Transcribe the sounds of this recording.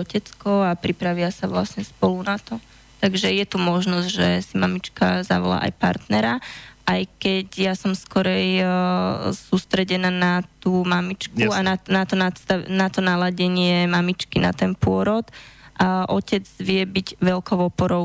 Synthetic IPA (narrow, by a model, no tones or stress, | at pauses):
ɔcɛt͡skɔapɾipɾaʋɪasaʋla̰sɲɛspɔlunat̪ɔ | t̪aɡʒɛjɛt̪umɔʒnɔzɟʒɛsimamit͡ʃkaza̰ʋɔ̰la̰ʔa̰jpa̰ɾt̪nɛɾaʔajkɛɟjasɔmskɔɾɛj | suːst̪ɾɛɟɛnaːnat̪uːmamit͡ʃkuananat̪ɔnast̪anat̪ɔnalaɟɛɲɪɛmamit͡ʃkina̰t̪ɛnpʊɔɾɔt̪ʔaʔɔcɛd͡zʋɪɛbiɟʋɛlkɔʊɔpɔɾɔʊ